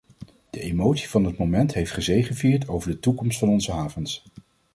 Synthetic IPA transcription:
d̥əʔemowtsi̥v̥ɑnɦət̚momɛntɦejftχəzejχənviːɹtowvəɹdətukɔmstfɑnɔnzəɦaːvəns

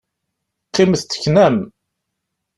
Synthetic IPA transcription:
qːɪmθt͡sːə̥çnæm

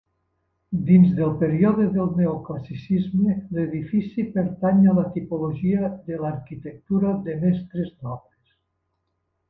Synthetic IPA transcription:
d̪inzðelˠpeɾiɔðeðelˠneoklasisizmeleðifisipeɾt̪aɲalat̪ipoloʒiəðelaɾkit̪ek̚t̪uɾaðemɛst̪ɾeznɔβɾes

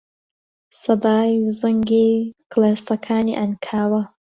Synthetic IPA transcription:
sɐd̪aːjzɐŋɡiːklaːst̪ɐkʰaːnḭːʔɐnkʰaːwɐ

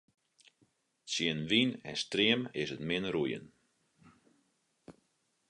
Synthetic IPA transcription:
sjɪənʋinɛ̰striəmɪsətmɪnrujə̰n

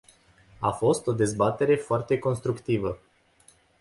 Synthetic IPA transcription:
afo̞st̪o̞d̪e̞zbat̪e̞ɾe̞foart̪e̞ko̞nst̪ɾukt̪ivə

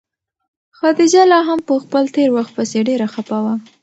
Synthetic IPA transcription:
xɑd̪id͡ʒalɑɦampəxpəlt̪eɾwaxt̪̚pəseɖeɾaxapawa

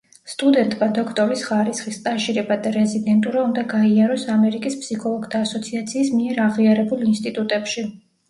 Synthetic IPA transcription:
st̪ʼud̪ɛnt̪ʼmad̪ɔkʰt̪ʼɔɾisχaɾisχist̪sʼaʃiɾɛbad̪aɾɛzid̪ɛnt̪ʼuɾaund̪aɡaiaɾɔsamɛɾikʼispsikʰɔlˠɔɡd̪ʰaːsɔt̪sʰiat̪sʰiːsmiɛɾaʁiaɾɛbulˠinst̪ʼit̪ʼut̪ʼɛpʃi

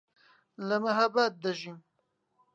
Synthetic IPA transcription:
lamaɦabat̪̚d̪aʒim

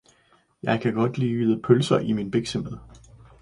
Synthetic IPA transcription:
jɑ̈ɪkʰæɡ̥ɒ̽d̥liːiðˠəpʰølsɐʔiminb̥eɡ̥seməðˠ

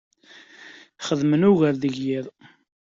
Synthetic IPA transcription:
χəðmənuʝəɾðəʝjiðˤ

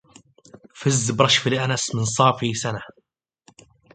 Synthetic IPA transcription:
fɪzːbɾˤɑʃfiliʔanasmɪnsˤɑːfisana

